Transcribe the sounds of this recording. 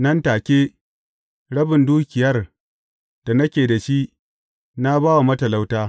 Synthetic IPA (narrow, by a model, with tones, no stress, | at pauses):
nɐ˦ntaː˨kʲeː˦ | ɽɐ˦bɪ˨nduː˦kʲɪ˨jɐ˦r | d̥a˨nɐ˦kʲeː˨da˨ʃi˦ʔ | na˦baː˦wa˨mɐ˦tɐ˨la˦wtaː˦